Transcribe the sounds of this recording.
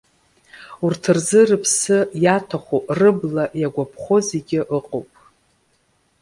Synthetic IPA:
urtʰɨrzɨrɨpʰsɨjatʰaχʷorɨblajaɡʷapʰχo̞zeɡʲɪʔɨqʼowpʼ

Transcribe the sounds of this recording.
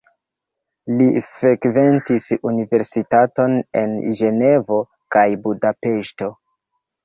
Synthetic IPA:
lifɾekventisunive̞ɾsitato̞ne̞̰nʒe̞ne̞vo̞ | kajbudape̞ʃto

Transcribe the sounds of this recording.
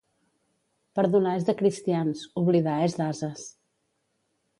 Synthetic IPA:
pəɾðunaezðəkɾist̪ianzuβliðaezðazəs

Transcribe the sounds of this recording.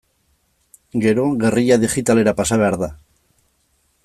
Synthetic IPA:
ɡeɾoɣeriʎaðixit̪aleɾapasaβeaɾða

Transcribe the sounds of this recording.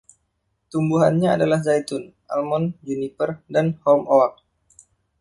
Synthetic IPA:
t̪umbuɦanɲaːdalahzajt̪ʊn | ʔa̰lmɔnd͡ʒunipərdanhɔmowak̚

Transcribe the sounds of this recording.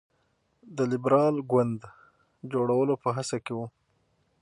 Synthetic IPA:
d̪əlɪbɾɑlɡwand̪ | d͡ʒoɽawəlopəɦasakewu

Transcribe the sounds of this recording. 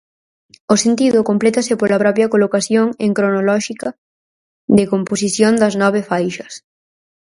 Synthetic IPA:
ʊsent̪iðʊkomplet̪ɐsɪpoɾlɐpɾɔpjɐkolokaθjoŋeŋkɾonolɔʃikɐ | d̪ɪkomposiθjond̪ɐznɔβ̞efajʃɐs

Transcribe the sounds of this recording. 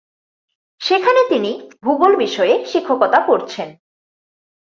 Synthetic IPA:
ʃekʰanet̪inibʱubolbiʃɔeʃikʰːokɔt̪apoɾt͡ɕʰen

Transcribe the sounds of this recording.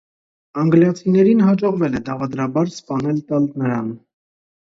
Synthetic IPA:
ɑŋɡljɑt͡sʰinɛɾinɦɑd͡ʒɔʁvɛlɛd̪ɑvɑd̪ɾɑbɑɾspɑnɛlt̪ɑlnəɾɑ̰n

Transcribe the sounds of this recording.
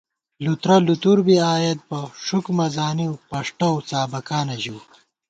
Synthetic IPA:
lut̪ɾɐlut̪uɾbiaːjɐt̪̚pɐʂukmɐzaːniwpɐʂʈɐwt͡saːbɐkaːnɐʑuw

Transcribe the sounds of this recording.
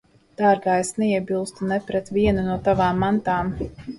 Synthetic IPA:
d̪̥aːɾɡaːesnɛiɛbilˠst̪unɛpɾɛt̪viɛnunuɔt̪avaːmːant̪aːm

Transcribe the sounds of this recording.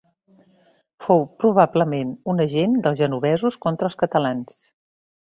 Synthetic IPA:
fowpɾuβ̞abləmenunəʒend̪əlˠzʒənuβɛzuskont̪ɾəlˠskət̪əlans

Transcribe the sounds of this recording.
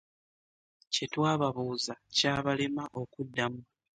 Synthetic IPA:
ce̞twaːβaβuːzacaːβalemaʔo̞kudːamu

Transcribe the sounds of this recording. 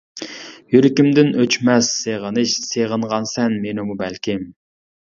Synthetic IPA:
jyɾɪkʲimd̪ɪnøt͡ʃmɛsːeʁənɨʃseʁəɴʁɑnsɛnmenumubɛlkʲʰɪm

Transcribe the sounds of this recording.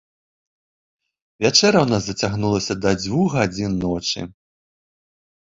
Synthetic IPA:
vʲat͡ʂɛɾɐwnasd̪ɐt͡sʲaɣnulˠɐsʲɐd̪ɐd͡zʲvuɣɣad͡zʲinːɔt͡ʂɨ̰

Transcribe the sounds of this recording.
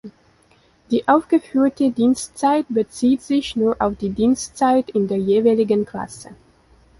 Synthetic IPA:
d̥iːʔaʊfɡ̥əfyːɐtədiːnstt͡saɪt̚b̥ət͡siːtz̥ɪçnuːɐʔaʊfd̥iːdiːnstt͡saɪtɪndeːɐjeːvalɪɡənkʰl̥a̰sə̰

